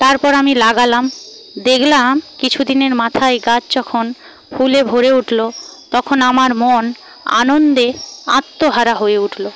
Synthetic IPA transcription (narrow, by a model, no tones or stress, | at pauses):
t̪aɾpɔɾamilaɡalam | d̪eklakit͡ɕʰud̪ineɾmat̪ʰaeɡat͡ɕd͡ʑɔkʰon | fulebʱoɾeuʈʰlot̪ɔkʰonamaɾmon | a̰nond̪ea̰t̪ːoɦaɾaɦoeuʈʰlo